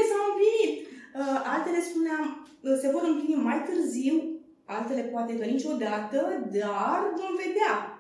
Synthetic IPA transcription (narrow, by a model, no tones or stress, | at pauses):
esamuplinit̪̚ʔalt̪e̞le̞spuneam | se̞vo̞ɾɨmplinimajt̪ɨrziw | alt̪e̞le̞poat̪e̞kənit͡ʃo̞d̪at̪əd̪arvo̞mve̞d̪ea